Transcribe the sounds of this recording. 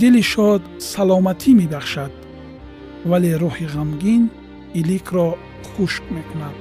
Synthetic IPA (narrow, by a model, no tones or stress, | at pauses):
d̪iliʃɔd̪salɔmat̪ʰimibaχʃad̪̥̚ | valeɾɔhiʁamɡin | ilikʰɾɔ | χuʃkmekunad̪̥